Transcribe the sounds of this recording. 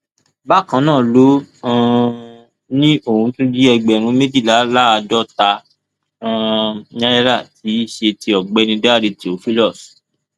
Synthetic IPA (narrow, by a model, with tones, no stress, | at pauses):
ba˦˨kã˨˦nãː˦˨lõ˨˦˧ | nĩ˦o˦˨hũ˧tũ˦di˦ɛ˧ɡ͡bɛ˨ɾ̃ũ˧me˦di˦˨la˨˦la˦a˧dɔ˦tã˧˦˧ | ɲã˦ɾɛ˦ɾa˦˨ti˨˦i˦˨ʃe˧ti˧ɔ˨ɡ͡bɛ˨˦nĩ˧da˦˨ɾi˨˧to˨fi˦lɔ˦˨s